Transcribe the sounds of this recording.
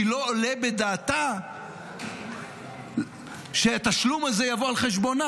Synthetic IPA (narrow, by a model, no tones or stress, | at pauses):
ilo̞ːlebe̞d̪aːt̪a | ʃeat̪aʃlumaze̞javo̞alχe̞ʃ̬bo̞na